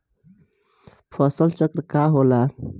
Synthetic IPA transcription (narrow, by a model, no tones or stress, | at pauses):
pʰɔsəlt͡ʃəkɾkaɦola